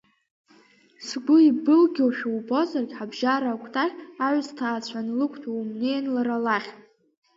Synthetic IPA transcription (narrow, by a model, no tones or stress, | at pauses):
sɡʷʊibɨlɡʲowʃᶣawbozarɡʲħabʒaɾakʷʰʼtʰaχʲaʕʷztʰaːt͡ɕʷʰanlɨkʷʰtʰaumnejnlaɾalaχʲʼ